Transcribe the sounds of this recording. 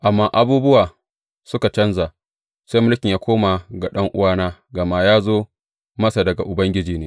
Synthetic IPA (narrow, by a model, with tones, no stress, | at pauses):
ʔa˨mːaː˦ʔa˦buː˦bʊ˦waː˨ | sʊ˦ka˨t͡ʃɐ˦nza˨ | sa˦mʊ˦lkʲɪ˨ɲjaː˦kʷoː˦ma˨ɡa˨ɗɐ˦ŋʔʊ˦waː˦naː˦ɡɐ˨maː˦jaː˦zoː˦ | mɐ˦sa˨dɐ˨ɡa˨ʔʊ˨bɐ˦ŋɡʲɪ˦d͡ʒiː˨neː˦